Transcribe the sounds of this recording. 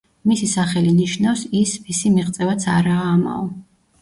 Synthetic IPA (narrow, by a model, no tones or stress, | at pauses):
misisaχɛliniʃnafsismisimiʁt̪sʼɛvat̪sʰaɾaːma̰ɔ